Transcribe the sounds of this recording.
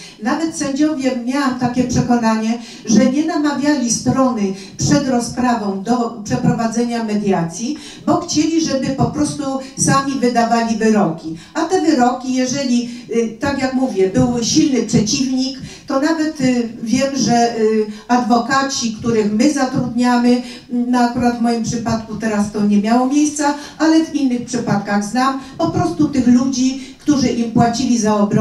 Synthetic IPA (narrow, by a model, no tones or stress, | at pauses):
navɛt̪sɛɲd͡ʑɔvʲjɛmʲːjawamt̪akʲɛpʂɛkɔnaɲɛ | ʐɛɲɛnamavʲjalʲist̪ɾɔnɘ | pʂɛd̪ɾɔspɾavɔ̃w̃d̪ɔpʂɛpɾɔvad̪zɛɲamɛd̪jat̪sʲji | bɔxt͡ɕelʲiʐɛbɘpɔpɾɔst̪usamʲivɘd̪avalʲivɘɾɔkʲi | at̪ɛvɘɾɔkʲijɛʐɛlʲit̪akjakmuvʲjɛbɘwɕilnɘpʂɛt͡ɕivɲikt̪ɔnavɛt̪vʲjɛmʐɛ | ad̪vɔkat͡ɕikt̪uɾɘxmɘzat̪ɾud̪ɲamɘ | naːkuɾad̪vmɔjimpʂɘpat̪kut̪ɛɾast̪ɔɲɛmʲjawɔmʲjejst̪sa | alɛvinːɘxpʂɘpat̪̚kaɣznampɔpɾɔst̪ut̪ɘxlud͡ʑikt̪uʐɘʔimpwat͡ɕilʲizaɔbɾɔ